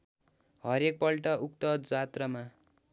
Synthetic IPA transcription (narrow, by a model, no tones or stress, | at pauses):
ɦʌɾek̚pʌlʈʌʔuk̚t̪ʌd͡zat̪rʌma